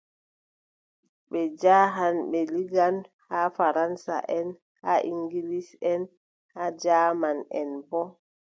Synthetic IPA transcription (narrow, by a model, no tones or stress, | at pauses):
ɓɛd͡ʒaːɦanɓɛliɡanhafaɾansa̰ʔɛn | haʔiŋɡilisɛn | had͡ʒaːmanɛnbɔ